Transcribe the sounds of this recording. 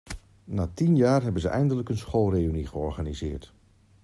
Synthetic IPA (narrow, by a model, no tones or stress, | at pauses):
naːtinjaːɹɦɛbənzəʔɛ̰jndələkənsχolˠreyniχəɔɹχaːnizɪːɹt